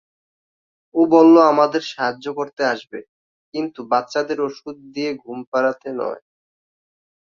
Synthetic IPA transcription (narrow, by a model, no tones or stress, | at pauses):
obɔlːoamad̪eɾʃaɦaːokoɾt̪eaʃbe | kint̪ubat̪ːɕad̪eɾoʃud̪̚d̪ieɡʱumpaɾat̪enɔ̰e